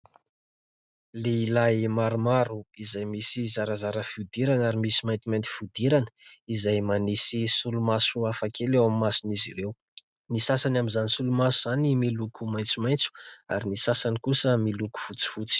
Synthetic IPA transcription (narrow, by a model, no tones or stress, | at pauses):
leilajmaɾumaɾuizajmisizaɾazaɾəfud̪iɾanaɾimisimajnt̪imajnt̪i̥fud̪iɾanə̥izajmanisisulumasuafakʰelewamimasiniziɾew | nisasanamizanisulumasuz̥animilukʰumajnt͡sumajnt͡su̥a̰ɾinisasanikusəmiluku̥fut͡si̥fut͡si̥